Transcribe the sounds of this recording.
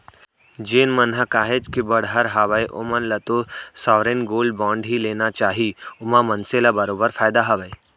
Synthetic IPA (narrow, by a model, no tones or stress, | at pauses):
d͡ʒeːnmɐnɦəkaːɦed͡ʒkibɐɽɦəɾɦaʋəeʔʊmənlɐt̪osaːʋɾenɡoːlbɔ̃ːɳɖɦileːnat͡ʃaːɦiʊmãmɐnsɪlabɐɾoːbəɾfʰaːjd̪aɦɐʋəe